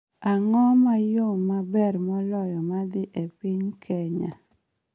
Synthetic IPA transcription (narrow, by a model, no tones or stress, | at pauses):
aŋɔmajomːabɛɾmɔlɔjɔmad̪ɪʔepiɲkʰɛɲa̰